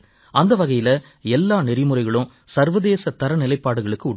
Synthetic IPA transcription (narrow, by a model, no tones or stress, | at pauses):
ʔɐnd̪ɐʋɐɣɐjɪlɐ | ɛlːaːnɪɾɪmɯrɐɪɣɐɭʊ̃ | sɐɾʋɐðeːsɐt̪ɐɾɐnɪlɐɪpːaːɽɯɣɐɭɯkːɯʊɽ